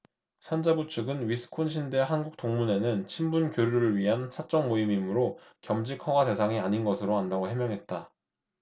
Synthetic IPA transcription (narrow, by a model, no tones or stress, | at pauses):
sʰand͡ʑabut͡ɕʰɯɡɯnɥisʰɯ̥kʰonɕ̬ʰinde̞ɦanɡuk̚t͈oŋmune̞nɯnt͡ɕʰimbunkjoɾjuɾɯɭɥiɦansʰat͡ɕ͈ʌŋmoimimɯɾokjʌmd͡ʑikʰʌŋwade̞sʰaŋiaɲinɡʌsʰɯɾoɦandaɡoɦemjʌŋɦe̞t̚t͈a